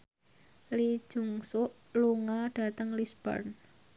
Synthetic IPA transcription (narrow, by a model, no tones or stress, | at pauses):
li̥ʒ̥ṳŋsʊʔ | luŋaɖ̥a̤t̪əŋlisb̥ɔ̰rn